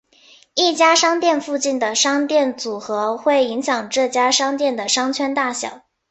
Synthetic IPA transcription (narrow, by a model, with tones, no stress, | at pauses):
i˥˩t͡ɕja˥ʂɑ˥ŋt̪jɛ˥˧nfu˥˧t͡ɕi˥˩nd̪ə˩ʂɑ˥ŋt̪jɛ˥˩nt͡su˨˩xɤ˧˥xwe˥˩ɪi˧˥ŋɕjɑ˨˩ŋʈ͡ʂɤ˥˩t͡ɕja˥ʂɑ˥ŋt̪jɛ˥˩nd̪ə˩ʂɑ˥ŋt͡ɕʰɥɛ˥nt̪a˥˩ɕjɑ̰˨˩˦ʊ